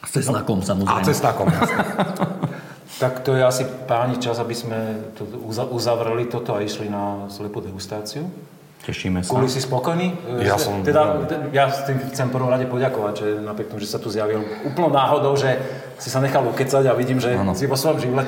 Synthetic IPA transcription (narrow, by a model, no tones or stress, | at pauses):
t͡sɛsnakɔmsamɔaɾ̰t͡sɛsnakɔm | t̪akt̪ɔjɛasipaːɲit͡ʃazabizmɛt̪ɔuzaʔuzaʋɾɛlit̪ɔt̪ɔaiʃlinaslɛpuːd̪ɛɡust̪aːt͡siu | cɛʃimɛsɔlisispɔkɔjnijaɔmɛd̪at̪jast̪imxt͡sɛmfpr̩ʋɔmɾaɟɛpɔɟakɔʋaɟʒɛnapɾɪɛkt̪ɔmuʒɛssat̪uzjaʋil | uːpl̩nɔnaːɦɔd̪ɔʊʒɛ | sisaɲɛxalukɛt͡saɟaʋiɟiːmʒɛnsiʋɔsʋɔjɔmʒiʋlɛ